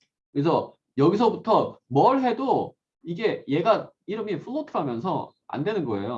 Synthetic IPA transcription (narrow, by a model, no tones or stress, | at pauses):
kɯɾes̬ʰʌ | jʌɡisʰʌbutʰʌmʌɭɦe̞do | iɡe̞je̞ɡa | iɾɯmipʰɯːotʰɯɾɦamjʌnsʰʌ | a̰ndwe̞nɯnɡʌe̞̰jo